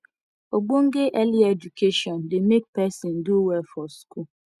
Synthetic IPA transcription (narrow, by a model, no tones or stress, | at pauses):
oɡ͡boŋ̩ɡeʔɛlied͡ʒukʰeʃɔ̃ndemek̚pɛsɪ̃ndʊwɛfɔsku